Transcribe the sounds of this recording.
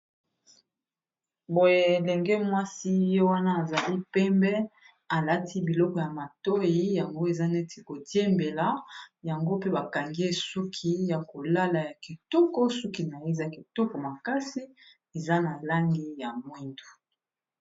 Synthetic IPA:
bo˨je˦e˨lɛ˨ŋɡɛ˦mwa˦si˦jo˦wa˦na˦a˨za˨li˦pɛ˦mbɛ˦ | a˨la˦ti˦bi˨lɔ˦kɔ˨ja˨ma˨to˦ji˦ja˨ŋɡo˦e˨za˦nɛ˦tʰi˨ko˨tje˦mbe˨la˦ja˨ŋɡo˦pe˦ba˨ka˨ŋɡi˦e˦˨su˦kʰi˦ja˨ko˨la˦la˨ja˨ki˨tɔ˦kɔ˦su˦ki˨na˨je˦˨za˦ki˨tɔ˦kɔ˨ma˨ka˦si˦ | e˨za˦na˨la˦ŋɡi˦ja˨mwi˦ndu̥˨

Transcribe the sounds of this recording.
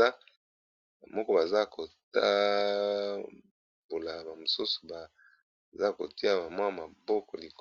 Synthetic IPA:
a˦ | ba˨mɔ˦kɔ˦ba˨za˦ko˨ta˦ | bo˨la˨ba˨mo˨su˦su̥˨ba˨ | za˦ko̰˨ti˦a˦ba˨mwa˦˨ma˨bɔ˦kɔ̰˨li˨k

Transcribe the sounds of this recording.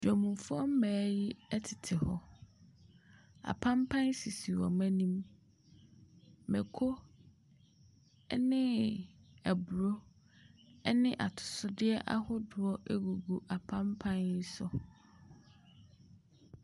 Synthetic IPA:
d͡ʒᶣɔ˨mũ˨fʊ˦ɔ˦m̩˦mæː˨˦jɪ˦ɛ˦tʰɪ̥˨tʰɪ˨hɔ˦ | a̰˨pʰã˦mpʰã˦nsi˨si˨wɔ̰˨mæ̃˦nĩ˦m | mɛ̰˨kʰo˦ | nɪ̃˦ | æ˨bu˨ɾo˦ | ɛ˦nɪ̃˦ʔa̰˨tʰʊ̥˨sʊ˦dɪ˦ɛ˦ʔa̰˦hʊ˦dʊ˨ɔ˦ʔæ˦ɡu˨ɡu˨ʔa˨pʰã˦mpʰã˦ni˦sʊ˨

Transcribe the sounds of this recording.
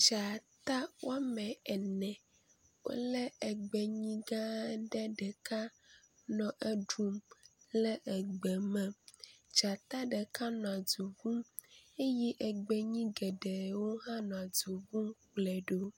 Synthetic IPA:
t͡ʃa˨t̪a˦wa˦mɛ̃˨ɛ˨nɛ̃˨ | wo̰˦lɛ˦ɛ˨ɡ͡be˨ɲĩ˦ɡã˦ɖɛ˦ɖɛ˨ka˦ | nɔ̃˨ʔɛ˦ɖu˦mlɛ˦ʔɛ˨ɡ͡bɛ˨mɛ̃˨d͡ʒa˨t̪a˦ɖɛ˨ka˦nɔ̃˨a˨du˨vũ˦m | e˦ji˦ʔɛ˨ɡ͡be˨ɲĩ˦ɡɛ˨ɖɛ˨wo˦ɦã˦nɔ̃˨a˨du˨vũ˦mk͡plɛ˨ɖo˦

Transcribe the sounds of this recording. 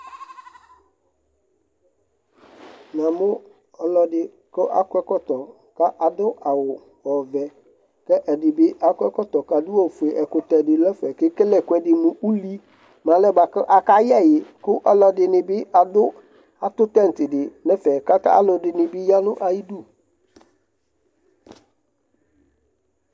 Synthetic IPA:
nã˨mʊ̃˦ | ɔ˨lɔ˨dɪ˨ | kɔ˦ʔa̰˦kwɛ˦kɔ˦tɔ˨ | ka˦ʔa˨dʊ˦ʔa˨wʊ˨ | ɔ˨vɛ˨ | kɛ˦ʔɛ˨dɪ˨bɪ˦ʔa˦kʷɛ˦kɔ˦tɔ˨ka˨du˦ɔ˦˨fe˨ʔɛ˨kʊ˨tɛ˨dɪ˨lɛ˦fɛ˨kɪ˦kɛ˦lɛ˨kʊ˨˦ɛ˨dɪ˨mʊ̃˨ʔu˦li˦ | mã˨˦lɛ˦ba˨kʔa˨ka˦jɛ˦˨jɪ˨kʊ˦ʔɔ˦lɔ˦dɪ˨nɪ˨bɪ˦ʔa˨dʊ˦ | a˨tʊ˦tɛ˦n̩˨tɪ˨dɪ˨nɛ˦fɛ˨ka˦ta̰˦a̰˦lɔ˨dɪ˨nɪ˨bɪ˦ja˦nʊ˦ʔa˨ji˦du˦˨

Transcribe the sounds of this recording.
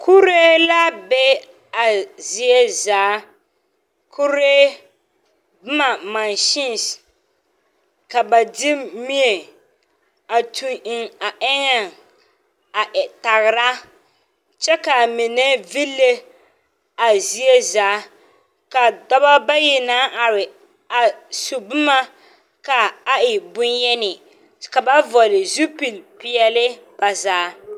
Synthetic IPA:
kʰu˦ɾe˦la˦bɛ˦ | a˨zi˨e˦zaː˨˦ | kʰu˦ɾe˦ | bɨ˦ma˨ma˨nʃɪ˦n˨s | ka˨ba˨dɪ˦mi˦e˨ | a˨tʰu˨ɪ˨ŋa˨ʔɛ˦ŋa˨ŋ | a˨ʔɛ˨ta˨ɣɪ˨ɾa˦ | t͡ʃɛ˦ka˨mɪ˨nɛ˦vi˦lːe˦ | a˨zi˦e˦zaː˨˦ | ka˨dɔ˦ba˦ba˦jɪ˨naː˦ʔa˨ɾɪ˨ | a˨su˨bʊ˦ma˦ | ka˨a˦ɪ˨bʊ˦njɛ˦nɪ˨ | ka˨ba˦vɔ˨lɪ˨zu˦pi˨lpɪ˦ɛ˦lɪ˦b̥a˨zaː˨˦

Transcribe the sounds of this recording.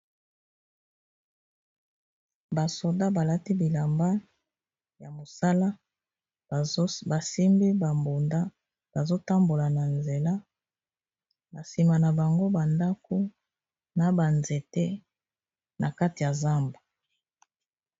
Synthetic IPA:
ba˨so˨da˦ba˨la˦ti˦bi˨la˨mba˦ | ja˨mo˨sa˦la˦ | ba˨si˦mbi˦ba˨mbo˨nda˦ | b̥a˨zo˦ta˦mbo˨la˨na˨nze˨la˦ | ba˨si˨ma˨na˨ba˨ŋɡo˦ba˨nda˦ko˦ | na˨ba˨nze˨te˦ | na˨ka˦ti˨ja˨za˦mbu˨

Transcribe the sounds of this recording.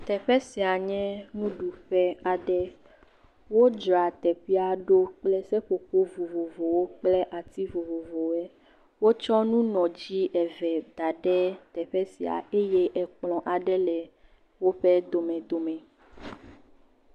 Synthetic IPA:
t̪ɛ˨ɸɛ˦si˨a˨ɲɛ̃˦nũ˦ɖu˨ɸɛ˦a˨ɖɛ˦ | wo˦d͡ʒɾa˨t̪ɛ˨ɸi˦a˨ɖo˦k͡plɛ˦sɛ˦ɸo˨ko˦vo˨vo˨vo˨wo˦k͡plɛ˦ʔa˨t̪i˦vo˨vo˨vo˨wɛ˦ | wo˦t͡ʃɔ˦nũ˦nɔ̃˨d͡ʑi˦ʔɛ˨vɛ˨d̪̥a˨ɖɛ˦t̪ɛ˨ɸɛ˦si˨a̰˨e˦je˦ʔɛ˨k͡plɔ̃˨ʔa˨ɖɛ˦lɛ˨ | wo˦ɸɛ˦d̪o˨mɛ̃˨d̪o˨mɛ̃˨

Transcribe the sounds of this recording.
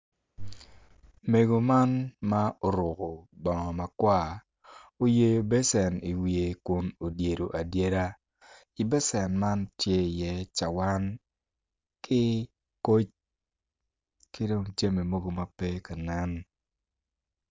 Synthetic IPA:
me˨ɡo˨ma˦nma˦o˨˦ɾʊ˨ko˨bɔ˨ŋɔ˨ma˨kwa˦˨ | o˦je˦jo˨be˦sɛ˨ni˨wi˨e˨kʊ˨no˨dje˨ɾo˨ʔa˨dje˦ɾa˦ | ɪ˨bɛ˦sɛ˨nma˦ntje˦˨jɛ˦t͡ʃa˨wa˦n | kʰɪ˦ | ko˦t͡ʃ | kɪ˦do˦ŋt͡ʃe˦me˨mo˦ɡo˨ma˨pɛ˦ka˨nɛ˦n

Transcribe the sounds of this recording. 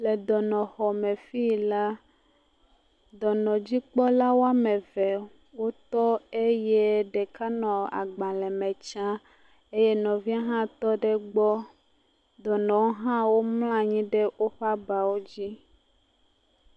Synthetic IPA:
le˨d̪ɔ˨nɔ̃˨xɔ˨mɛ̃˨fi˦la˦ | d̪ɔ˨nɔ̃˨d͡ʑi˦k͡pɔ˦la˦wo˦a˦mɛ̃˨vɛ˨ | wo˦t̪ɔ˦e˦je˦ɖɛ˨ka˦nɔ̃˨a̰˨ɡ͡bã˨lɛ˨mɛ̃˨t͡ʃã˦ | e˦je˦nɔ̃˨vi˦a˦ɦã˦t̪ɔ˦ɖɛ˦ɡ͡bɔ˦ | d̪ɔ˨nɔ̃˨wo˦ɦã˦wo˦mlã˦ɲĩ˦ɖe˦wo˦ɸa˦ba˨wo˦d͡ʑi˦

